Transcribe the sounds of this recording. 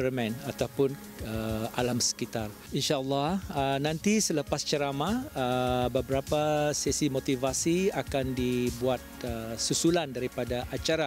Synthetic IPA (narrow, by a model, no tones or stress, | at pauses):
ərmɛ̃nat̪awpʊn | əʔalamsə̥kit̪ar | inʃalːahənãnt̪isələpast͡ʃəɾamaəbəbəɾapasɛsimot̪ivasiakandibuat̪̚əsusulandaɾipadaʔat͡ʃaɾa